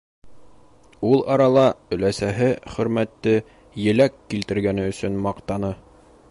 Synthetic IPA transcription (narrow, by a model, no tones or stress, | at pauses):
ulˠɑɾɑlˠɑɵ̆læsæɦɘχɵ̆ɾmæt̪ːɘ | jɘ̆lækːilt̪ɘ̆ɾɡænɘɵ̆sɵnmɑqt̪ɑnɤ